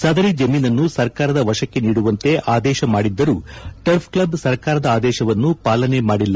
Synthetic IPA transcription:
saːd̪ɐɾid͡ʒɐmiːnɐnːusɐɾkaːɾɐd̪ɐʋɐʂɐkːe̞niːɽuʋɐnt̪e̞ʔaːd̪ɛːʃɐmaːɽid̪ːɐɾuʈɐɾpʰklɐbsɐɾkaːɾɐd̪ɐaːd̪ɛːʃɐʋɐnːupaːlɐne̞maːɽilːɐ

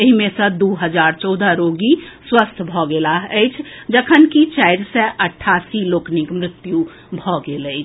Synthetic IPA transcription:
eɦimẽsə̃d̪uɦəd͡ʒaɾt͡ʃɔd̪ʱəɾoɡiswəst̪ʰbʱɔɡelaɦəɪt͡ʃʰd͡ʒəkʰənkit͡ʃaɪɾsɛʔəʈʰːasiloːknikmɾɪt̪ju | bʱɔɡeləɪt͡ʃʰ

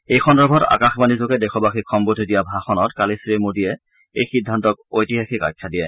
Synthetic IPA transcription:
ejxɔndɔbʱɔta̰kaxmanizoɡɛdɛkʰɔbaxikʰɔmbodʱidijabʱaxɔnɔtkalisɹemodijɛ | ejxidʱːantɔkojtiɦaxika̰jkʰːadiɛ

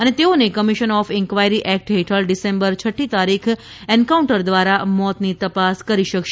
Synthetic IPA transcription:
ənet̪eonekəmiʃənɔfɛ̃ŋkʋajɾiʔɛk̚ʈɦeʈʰəɭɖisẽmbəɾt͡ʃʰəʈʰːit̪aɾikʰ | ɛnkauɳʈəɾd̪ʋaɾamɔt̪nit̪əpaskəɾiʃəkʃ

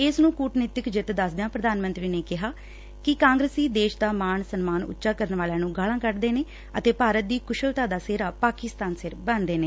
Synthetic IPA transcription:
ɪsnũːkuːʈnɪt̪ɪkd͡ʒɪt̪d̪əsd̪ejãːpɾəd̪aːnmə̃nt̪ɾiːneːkɪɦaː | kɪkãːŋɡɾəsiːd̪eːʃd̪aːmaːɳsənmaːnʊ̰tːʃaːkəɾənʋaːlãːnũːɡaːlãːkəɾd̪eːneː | ət̪eːpaːɾət̪̚d̪iːkʊʃəlt̪ãːd̪aːseːɾaːpaːkɪst̪aːnsɪɾbənd̪eːneː

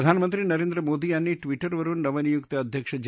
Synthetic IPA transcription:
d̪ʱaːnɐmɐnt̪ɾinɐɾeːnd̪ɾɐmoːd̪iaːnːiʈʋiʈɐɾʋɐɾunɐʋɐnijukt̪ɐɐd̪ʱjɐkʂɐd͡ʒ

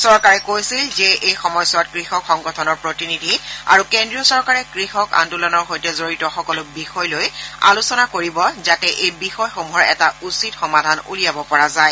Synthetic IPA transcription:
sɔɹkaɹɛkojsilzɛʔejxɔmɔjsɔt̚kɹixɔkxɔŋɡɔtʰɔnɔɹpɹotinidʱia̰ɹukendɹiɔsɔɹkaɹɛkɹixɔka̰ntulɔnɔɹxojtɛzoɹitɔxɔkɔlʊbixɔjloja̰lusɔnakoɹibɔzatɛʔejbixɔjxomuɦɔɹɛtausitxɔmadʱanṵlijabɔpɔɹazaj

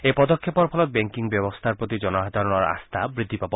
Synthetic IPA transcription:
epɔd̪ɔkʰːepɔɾpʰɔlɔt̪̚beŋkiŋbjebɔst̪ʰaɾpɾot̪id͡ʒɔnɔɦad̪ʱaɾɔnɔɾa̰st̪ʰabɾid̪ʱːipabɔ

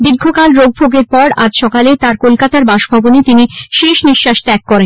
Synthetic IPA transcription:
biɾɡʱokalɾoɡ̚bʱoɡeɾpɔɾad͡ʑʃɔkalet̪aɾkolkat̪aɾbaʃbʱabonet̪iniʃeʃniʃːaʃt̪ɛkːɔɾen

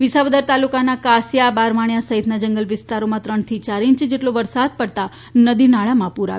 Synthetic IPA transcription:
ʋɪsaʋəd̪əɾt̪alukanakasjabaɾmaɳ̃jasəɦit̪nad͡ʒəŋɡəlʋɪst̪aɾomãt̪ɾəɳt̪ʰit͡ʃaɾĩɲt͡ʃd͡ʒeʈloʋəɾsad̪̚pəɽt̪a | nəd̪inaɭamãpuɾa̰

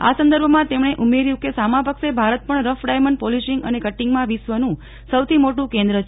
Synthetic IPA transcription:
a̰sə̃nd̪əɾbʱmãt̪emɳ̃eʔumeɾjũkesamãpəkʃebʱaɾət̪̚pəɳɾəfʰɖajməɳɖpɔliʃiŋɡə̰nekəʈːiŋɡmãʋisʋənũ | səwt̪ʰimoʈũkẽnd̪ɾət͡ʃʰ

